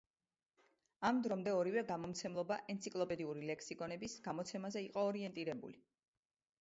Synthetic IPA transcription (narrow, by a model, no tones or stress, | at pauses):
amd̪ɾɔmd̪ɛɔɾivɛɡamɔmt̪sʰɛmlˠɔbaʔɛnt̪sʰikʼlˠɔpʼɛd̪iuɾilɛksikʼɔnɛbisɡ̥amɔt̪sʰɛmazɛiqʼɔːɾiɛnt̪ʼiɾɛbṵli